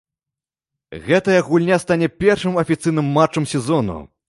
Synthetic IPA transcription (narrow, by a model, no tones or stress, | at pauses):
ɣɛt̪ɐjɐɣulʲnʲast̪anʲɛpʲɛrʂɨmɐfʲit̪sɨjnɨmːat͡ʂːɐmsʲɛzɔnṵ